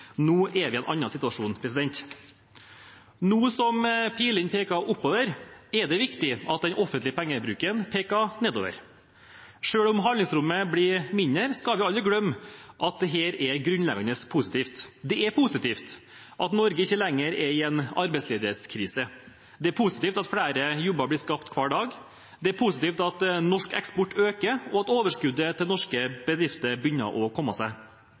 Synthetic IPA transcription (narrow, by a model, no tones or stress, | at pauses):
nuːʔɛʋɪɛnʔɑ̰nːɑnsɪt̪ʋɑʂuːnpʰɾɛsɪd̪ɛnt̪ | nuːsɔmpʰiːlɪnpʰeːkɑʔʊpːoːʋəɾɛɖ̪ɛʋɪkt̪ɪʔɑt̪̚d̪ɛnʔɔfːənlɪəpʰæŋːəbɾʉːkənpʰeːkɑneːd̪o̰ːʋə̰ɾ | ʂøːɽʊmɦɑnlɪŋsɾʊmːəblimɪnəɾskɑlʋɪɑlːɾəɡlœmːʔɑt̪̚d̪ɛɦeːɾɛɡɾʉnlɛɡɑnəspʰusɪt̪iːft̪d̪ɛɛɾpʰʊsɪt̪iːft̪ | ʔɑt̪nɔɾɡəɪçːəlɛŋːəɾɛɾɪɛnɑ̰ɾbɛɪtsleːd̪əɾɛt̪skʰɾiːsə | d̪ɛæɾpʰusɪ̥t̪iːft̪ɑt̪fɽæːɾəjʊbəɾblɪːʂkɑpt̪kʰʋɑːɖɑːɡ | d̪ɛæɾpʰusɪt̪iːft̪ɑt̪nɔʂkɛ̰kspɔʈːʰøːkəɔɑt̪oːʋəʂkʉd̪ət̪ʰɪlnɔʂkəb̥əd̪ɾɪft̪əɾbjʏnːə̰ɾʔɔkʰɔmːɑsæɪ